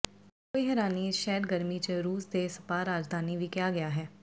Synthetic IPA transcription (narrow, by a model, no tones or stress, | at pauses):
koːiɦɛːɾaːniʃɛːɖɡəɾmit͡ʃəɾuːsd̪eːsə̥paːɾaːd͡ʒd̪ʱaːniʋiːkɪjaːɡɪjaːɦɛː